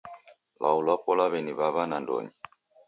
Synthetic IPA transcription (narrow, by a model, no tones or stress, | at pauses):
lʔa̰ulapɔlaβɛniβaβanandɔ̰ɲi